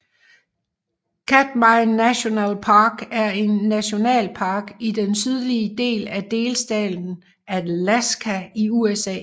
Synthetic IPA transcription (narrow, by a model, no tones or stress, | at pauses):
kʰæd̥mɑɪnːæɕo̝nɛ̰ːlpʰɑ̈ːɡ̥æɐe̝nːæɕo̝nɛ̰ːlpʰɑ̈ːɡ̥id̥ensyð̞ˠliəd̥e̝̰ːlæd̥e̝ːlsd̥ɛ̰ːdn̩ | ælæsɡ̥ʰæiuesɛ̰ː